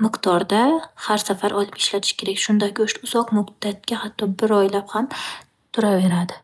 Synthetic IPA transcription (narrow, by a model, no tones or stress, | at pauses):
mɪqt̪ʰɒɾd̪ahaɾsafaɾʔɒlˠɪpɪ̥ʃlat̪ʰɪ̥ʃkʲʰeɾakʲʃʊnd̪akʲʊʃt̪ʊz̥ɒqmʊqd̪at̪̚kʲahat̪ʰːɒbɪɾɒjlapham | t̪ʰʊɾave̞ɾad̪ɪ